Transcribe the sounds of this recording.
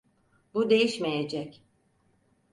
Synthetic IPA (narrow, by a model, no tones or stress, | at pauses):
bud̪e̞jiʃmejed͡ʒɛc